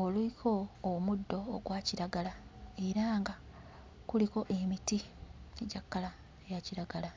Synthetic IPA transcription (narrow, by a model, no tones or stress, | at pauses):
oluikʰo̞ːmudːo̞ːɡwaːciɾaɡalaeɾaːŋɡa | kuliko̞ʔe̞mitieɟakːala | ejaciɾaɡala